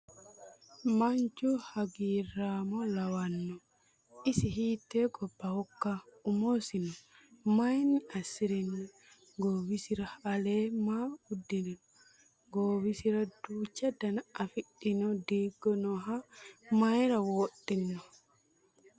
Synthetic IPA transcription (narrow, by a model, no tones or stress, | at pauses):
maɲd͡ʒuhaɡiːɾamɔlawanːɔ | isiɦitɛɡɔbakːaumosinɔ | majniasiɾinːɔ | ɡowisiɾahalɛmawudːininɔ | ɡowisiɾaduːt͡ʃadanaafiɗinɔdiɡɔnɔɦamajɾawoɗːinːɔ